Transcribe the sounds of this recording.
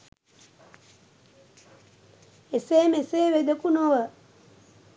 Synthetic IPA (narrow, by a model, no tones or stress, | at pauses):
eseːmeseːʋed̪əkunoʋə